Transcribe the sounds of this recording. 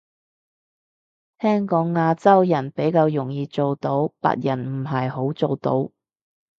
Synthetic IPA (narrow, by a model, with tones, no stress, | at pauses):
t̪ʰɛː˥ŋkɔː˨˥ŋːaː˧t͡sɐ˥wjɐ˨˩npe˨˥jkaː˧wjʊ˨˩ŋjiː˨˧t͡so˨wt̪o˨˥wpa̰ː˧˥t̚jɐ˨˩nm̩˨˩ɦɐ˨jho˨˥wt͡so˨˧wt̪o˨˥w